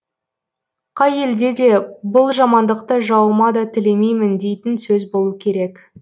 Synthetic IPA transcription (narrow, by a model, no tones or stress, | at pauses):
qʰɑje̞ld̪e̞d̪e̞bʊlˠʒɑmɑnd̪əq̚t̪əʒɑwəmɑd̪ɑt̪ʰɪle̞mejmɪnd̪e̞jt̪ɪnsɵzbo̞lˠukʲʰe̞ɾe̞k